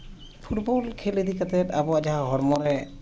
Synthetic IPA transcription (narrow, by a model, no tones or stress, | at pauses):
pʰutbɔlkʰelid̪ikat̪ɛtabɔad͡ʒaɦaɦɔɾmɔɾɛ